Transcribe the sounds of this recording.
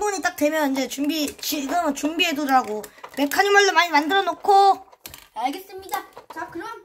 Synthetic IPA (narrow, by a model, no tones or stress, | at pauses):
buɲit͈ak̚t͈we̞mjʌnind͡ʑe̞t͡ɕumbit͡ɕiɡɯmɯnt͡ɕumbieduɾaɡome̞kʰaɲimɯɭːomaɲimandɯɾʌnokʰo | aɭɡe̞s͈ɯmɲidat͡ɕakɯɾʌ